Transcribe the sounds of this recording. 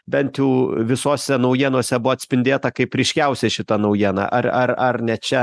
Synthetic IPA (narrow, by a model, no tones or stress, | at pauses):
bʲɛnt̪juːʋʲɪsoːsʲɛnɐʊjiɛnoɔsʲɛbʊʋoːt̪ʲsʲpʲɪnʲd̪ʲeːt̪ɐkɐɪpɾʲɪʃʲkʲɛʊsʲɛʃʲɪt̪ɐnɐʊjiɛnɑ̰ːʔɐrɐrɐrnʲɛt͡ʃʲɛ